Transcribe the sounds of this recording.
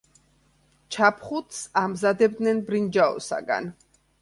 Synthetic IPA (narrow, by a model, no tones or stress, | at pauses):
t͡ʃʰapʰχut̪samzad̪ɛb̚d̪nɛnbɾind͡ʒaɔ̰sa̰ɡa̰n